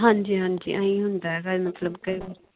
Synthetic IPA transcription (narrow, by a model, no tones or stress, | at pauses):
ɦãːnd͡ʒiɦãnd͡ʒḭʔaːĩɦʊ̃nd̪aɦɛɡamɐt̪ləbkɐib